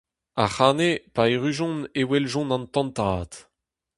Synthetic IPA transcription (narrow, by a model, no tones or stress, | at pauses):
aχaːnepaeʁyʒɔ̃newɛlʒɔ̃nɑ̃nt̪ɑ̃nt̪aːt̪